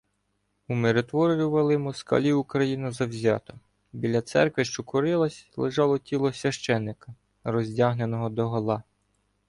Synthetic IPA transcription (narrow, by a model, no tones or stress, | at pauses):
umeɾet̪ʋɔɾʲɾʲʊʋɐlˠɪjmuskɐ̰lʲiukɾɐjinɐzɐwzʲɑ̰t̪ɔ | bʲilʲɐt̪sɛ̰rkʋɪʃt͡ʃɔkɔɾɪlˠɐsʲlˠɪʒɑlˠɔtʲilˠɔsʲʋʲɐʃt͡ʃɛnːɪkɐ | ɾɔzʲdʲaɦne̞nɔɦɔd̪ɔɦɔlˠɑ